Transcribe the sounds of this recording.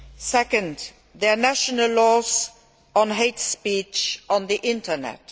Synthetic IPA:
sɛkə̃nd | ðɛnæʃənəlːɔz | ə̃nɦeɪtspit͡ʃə̃nðiʔɪ̃ntə˞nɛ̰t

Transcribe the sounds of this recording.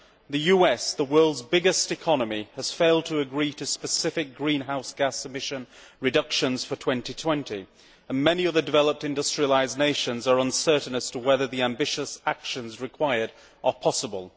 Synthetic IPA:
ðɨjʉɛsðəwɜ˞lˠdzbɪɡɨstɨkʰɑnəmiəz̥feɪlˠd̚tʰəːɡɹiɾɨspɨsɪfɪk̚ɡ̥ɹĩnɦaʊsɡ̥æsɨmɪʃɨ̃n | ɹɨdʌkʃɨ̃nz̥fə˞tʰw̥ɛ̃ntitʰw̥ɛ̃ntḭ | ə̃nmɛniʌðə˞dɨvɛlˠəp̚tɨ̃ndʌstɹ̥iəlaɪzneɪʃɨ̃nzə˞ə̃nsɜ˞ʔn̩əstʰəwɛðəðiæ̃mbɪʃəsakʃɨ̃nzɹɨkʰw̥aɪə˞ɾ | ʔə˞pʰɑsəbə̰lˠ

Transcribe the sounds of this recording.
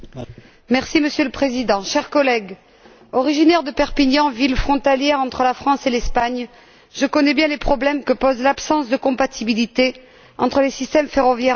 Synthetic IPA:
mɛʁsiməsjøləpχezid̪ɑ̃ʃɛʁkɔlɛɡ | ɔʁiʒinɛʁd̪əpɛʁpiɲɑ̃vilfχɔ̃t̪aljɛʁɑ̃t̪χəlafχɑ̃selɛspaɲ | ʒəkɔnɛbjɛ̃lepχɔblɛmkəpɔzlapsɑ̃sd̪əkɔ̃pat̪ʰibilit̪e | ɑ̃t̪χəlesist̪ɛmfeʁɔvjɛʁ

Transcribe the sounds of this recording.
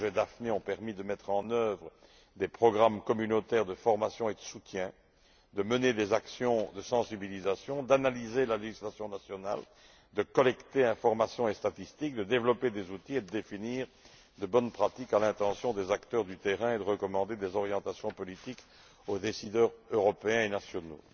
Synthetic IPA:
ʒɛd̪afneɔ̃pɛʁmid̪əmɛt̪χɑ̃nœvʁə | d̪epχɔɡʁamkɔmynot̪ɛːʁd̪əfɔʁmasjɔ̃ed̪əsut̪jɛ̃ | d̪əməned̪ezaksjɔ̃d̪əsɑ̃sibilizasjɔ̃d̪analizelaleʒislasjɔ̃nasjɔna̰l | d̪əkɔlɛkt̪eɛ̃fɔʁmasjɔ̃est̪at̪ist̪ik̚d̪əd̪evlɔped̪ezut̪ied̪əd̪efiniːʁ | d̪əbɔnpχat̪ikalɛ̃t̪ɑ̃sjɔ̃d̪ezakt̪œʁd̪yt̪eʁɛ̃ed̪əʁəkɔmɑ̃d̪ed̪ezɔʁjɑ̃t̪asjɔ̃pɔlit̪ik | od̪esid̪œːʁøʁɔpeɛ̃enasjɔno̰

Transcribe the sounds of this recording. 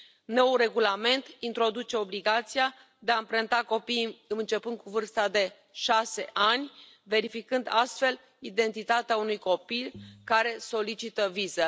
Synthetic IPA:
no̞wre̞ɡulame̞nt̪int̪ɾo̞d̪ut͡ʃe̞o̞bliɡat̪sia | d̪e̞aɨmpɾənt̪ako̞piɨnɨnt͡ʃe̞pɨnd̪̚kuvɨrst̪ad̪e̞ | ʃase̞ʔanʲ | ve̞ɾifikɨnd̪ast̪fe̞l | id̪e̞nt̪it̪at̪eaunujko̞pilkaɾe̞so̞lit͡ʃit̪əvizə

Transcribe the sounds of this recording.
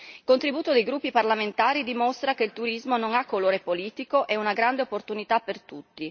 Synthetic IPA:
ilkont̪ɾibuːt̪od̪ejɡɾupːiparlament̪aːɾid̪imost̪ɾakeilt̪uɾizmonoŋakːoloːɾepoliːt̪ikoʔɛunaɡɾand̪eopːort̪unit̪apːert̪ut̪ːi

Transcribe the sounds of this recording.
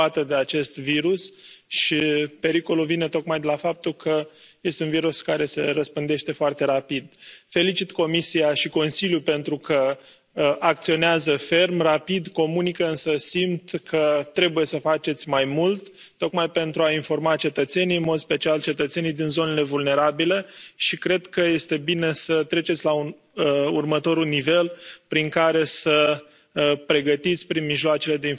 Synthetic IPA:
at̪əd̪e̞at͡ʃe̞st̪viɾusʃipe̞ɾiko̞lulvine̞t̪o̞kmajd̪elafap̚t̪ukʰə | je̞st̪eunviɾuskaɾe̞se̞rəspɨnd̪e̞ʃt̪e̞foart̪e̞ɾapid̪̚fe̞lit͡ʃit̪ko̞misiaʃiko̞nsiljupe̞nt̪ɾukʰə | ʔak̚t̪sio̞neazəfe̞rmrapid̪ko̞munikəɨnsəsimt̪kʰət̪ɾe̞buje̞səfat͡ʃe̞t̪sʲmajmult̪ː | o̞kmajpe̞nt̪ɾuainfo̞rmat͡ʃe̞t̪ət̪se̞nijɨnmo̞d̪spe̞t͡ʃialt͡ʃe̞t̪ət̪se̞nijd̪inzo̞ne̞le̞vulne̞ɾabile̞ʃikɾe̞d̪kəje̞st̪e̞bine̞sət̪ɾe̞t͡ʃet̪sʲlaun | əurmət̪o̞ɾunive̞lpɾiŋkaɾe̞sə | pɾe̞ɡət̪it̪sʲpɾinmiʒloat͡ʃe̞le̞d̪e̞i

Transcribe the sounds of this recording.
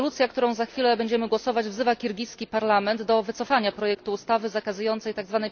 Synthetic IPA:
lut̪sʲjakt̪uɾɔ̃w̃zaxfʲilɛbɛɲd͡ʑɛmɘɡwɔsɔvad͡ʑvzɘvakʲiɾɡʲijskʲipaɾlamɛnd̪d̪ɔvɘt̪sɔfaɲapɾɔjɛkt̪uːst̪avɘzakazujɔnt̪sɛjt̪aɡzvanɛj

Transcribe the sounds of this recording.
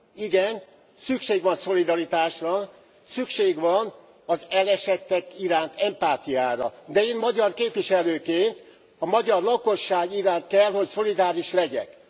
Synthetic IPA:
iɡɛn | sykʃeːɡʋɒnso̞lid̪ɒɾit̪aːʃrɒ | sykʃeːɡʋɒn | ɒzɛlɛʃɛt̪ːɛkiɾaːnt̪ɛmpaːt̪ijaːɾɒ̰d̪ɛeːnmɒɟɒrkeːpʋiʃɛløːkeːnt̪ | ɒmɒɟɒrlɒko̞ʃːaːɡiɾaːnt̪̚kɛlho̞cso̞lid̪aːɾiʃlɛɟɛ̰k

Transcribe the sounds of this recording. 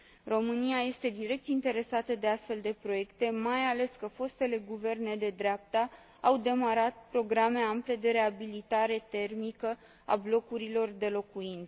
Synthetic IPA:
ro̞mɨniaje̞st̪e̞d̪iɾe̞k̚t̪int̪e̞ɾe̞sat̪əd̪e̞ast̪fe̞ld̪e̞pɾo̞je̞kt̪e̞majale̞skəfo̞st̪e̞le̞ɡuve̞rne̞d̪e̞d̪ɾeap̚t̪a | awd̪e̞maɾat̪̚pɾo̞ɡɾame̞ample̞d̪e̞ɾe̞abilit̪aɾe̞t̪e̞rmikə | a̰blo̞kuɾilo̞rd̪e̞lo̞kuint̪sə

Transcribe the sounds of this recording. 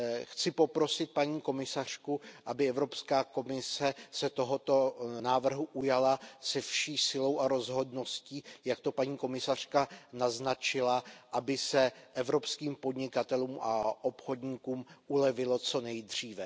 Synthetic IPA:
xt͡sɪpo̞pɾo̞sɪt̪̚paɲiːko̞mɪsar̝̥kuʔabɪɛvɾo̞pskaːko̞mɪsɛsɛt̪o̞ɦo̞t̪o̞naːvr̩ɦuʔujalasɛfʃiːsɪlo̞wʔaɾo̞zɦo̞dno̞sciːjak̚t̪o̞paɲiːko̞mɪsar̝̥kanaznat͡ʃɪlaʔabɪsɛʔɛvɾo̞pskiːmpo̞dɲɪkat̪ɛluːmʔa̰ʔo̞pxo̞dɲiːkuːmʔulɛvɪlot͡so̞nɛjd̪r̝iːvɛ

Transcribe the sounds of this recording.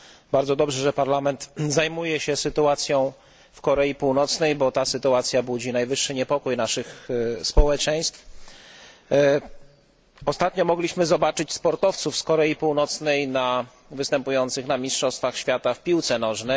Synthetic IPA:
baɾdzɔd̪ɔbʐɛʐɛpaɾlamɛnt̪zajmujɛɕɛsɘt̪uat̪sʲjɔ̃w̃ | fkɔɾɛjipuwnɔt̪snɛjbɔt̪asɘt̪uat̪sʲjabud͡ʑinajvɘʂːɘɲɛpɔkujnaʂɘxspɔwɛt͡ʂɛj̃st̪f | ɔst̪at̪ɲɔmɔɡlʲiɕmɘzɔbat͡ʂɘt͡ɕspɔɾt̪ɔft̪sufskɔɾɛjipuwnɔt̪snɛjna | vɘst̪ɛmpujɔnt̪sɘxnamʲistʂɔst̪faxɕfʲjat̪afpʲiwt̪sɛnɔʐnɛ

